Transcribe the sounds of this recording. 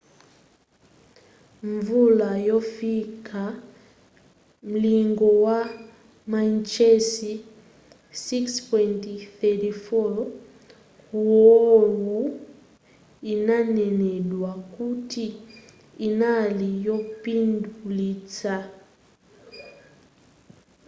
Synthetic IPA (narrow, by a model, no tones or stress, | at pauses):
ɱvulajɔfikʰa | m̩liŋɡɔwa | mant͡ʃɛsi | sikspɔntiθɛtifɔ | uɔlu | inanɛnɛɗwakutiː | nalijɔpindulit͡sa